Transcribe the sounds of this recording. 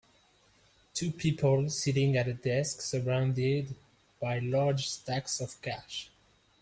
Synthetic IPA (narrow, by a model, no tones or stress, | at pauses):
tʰupʰipʰəl̩ˠsiɾɪ̃ŋɨtɾədɛsksəɹãʊ̃ndɪd | b̥aɪlɑɹd͡ʒstæksɔv̥kʰæʃ